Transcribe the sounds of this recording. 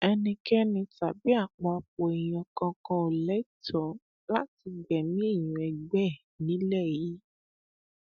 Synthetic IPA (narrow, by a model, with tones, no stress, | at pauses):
ɛ˧nĩ˧kɛ˦nĩ˧ta˨bi˦a˦˨k͡pɔ˧k͡po˨e˨j̃ɔ̃˨kã˧kã˧o˨lɛ˨˦i˦˨tɔ˨˦ | la˦ti˧ɡ͡bɛ˨nĩ˦e˦˨j̃ũ˨ɛ˨ɡ͡bɛ˦˨ | nĩ˨˦lɛ˦˨ji˨˦